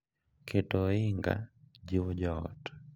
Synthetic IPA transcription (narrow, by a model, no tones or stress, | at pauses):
kʰetɔɪŋɡa̰d͡ʒiwɔd͡ʒɔɔ̰t